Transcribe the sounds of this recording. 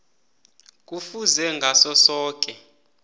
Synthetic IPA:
k̬ʼufuzɛŋɡʱasɔsɔːk̬ʼɛ

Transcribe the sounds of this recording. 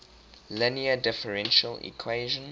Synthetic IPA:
lɪniədɪfəɹɛ̃nʃəlḭkʰweɪʒə̃n

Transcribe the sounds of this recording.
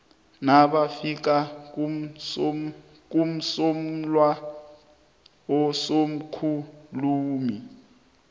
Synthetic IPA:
naɓafik̬ak̬ʼum̩so | k̬ʼum̩som̩lwa | ɔsom̩kʰuluːmi

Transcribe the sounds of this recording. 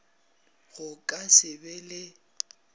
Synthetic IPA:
ɣʊkʼasɪbɛlɪ

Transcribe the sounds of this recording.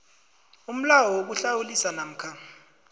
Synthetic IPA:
um̩lawɔwok̬uɬawulisanam̩kʰa

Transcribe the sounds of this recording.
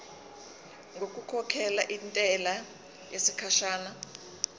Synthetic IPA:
ŋɡokʼukʰɔkʰɛlaʔintʼɛla | jesikʰaʃaːna

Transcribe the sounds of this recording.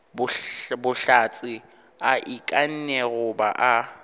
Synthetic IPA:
bʊbʊɬat͡sʼɪ | aʔikʼan̩nɛɣʊbaʔa

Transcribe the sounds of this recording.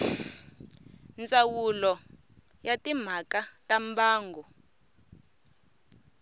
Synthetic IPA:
nt͡sʼawulɔ | jatʼim̤akatʼambaːŋɡʱɔ

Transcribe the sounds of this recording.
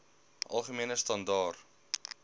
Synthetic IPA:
ʔɐ̰lˠχəmiənəstɐndɑːr

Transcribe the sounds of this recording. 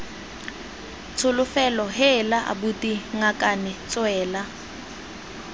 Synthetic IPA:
t͡sʰʊlʊfɛlɔɦɛlaʔa̰butiŋakʼanɛt͡sʼwɛːla

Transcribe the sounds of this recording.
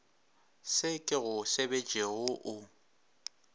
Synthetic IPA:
sɪkʼɪɣʊsebed͡ʒʱʼeɣʊʔʊ

